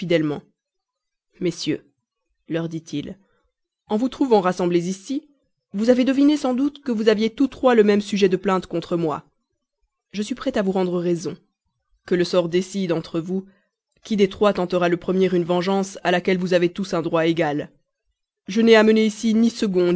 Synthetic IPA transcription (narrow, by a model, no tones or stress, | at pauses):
fid̪ɛlmɑ̰̃ | mesjø | lœʁd̪it̪ʰil | ɑ̃vut̪χuvɑ̃ʁasɑ̃blezisi | vuzaved̪əvinesɑ̃d̪ut̪kəvuzavjet̪ut̪χwaləmɛmsyʒɛd̪əplɛ̃t̪kɔ̃t̪χəmwa̰ | ʒəsɥipχɛt̪avuʁɑ̃d̪ʁəʁezɔ̃ | kələsɔʁd̪esid̪ɑ̃t̪χəvu | kʲid̪et̪χwat̪ɑ̃t̪əʁaləpχəmjɛʁynvɑ̃ʒɑ̃salakʲɛlvuzavet̪usɛ̃d̪ʁwaeɡal | ʒənɛaməneisinisəɡɔ̃